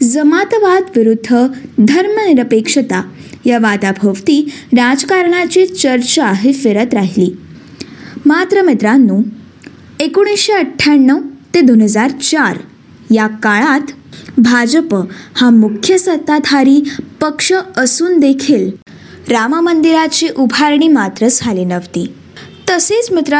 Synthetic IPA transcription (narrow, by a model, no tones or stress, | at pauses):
d͡zəmat̪ʋad̪ʋiɾud̪ʱːəd̪ʱəɾməniɾəpekʂət̪ajaʋat̪abʱəʋt̪iːɾad͡ʑkaɾɳ̃at͡ɕit͡ɕəɾt͡ɕaːɦefeɾət̪ɾaɦiliː | mat̪ɾəmit̪ɾanːuː | ekoɽ̃isɕeəʈʰːaɳːəwt̪ed̪onɦəd͡zaɾt͡ɕaɾ | jakaɭat̪bʱad͡ʑəphamukʰjəsət̪ːad̪ʱaɾiːpəkʂəəsuːnd̪ekʰiːl | ɾamamənd̪iɾat͡ɕiʔubʱaɾɳ̃iːmat̪ɾəd͡zʰʱalinəʋt̪iː | t̪əset͡smit̪ɾa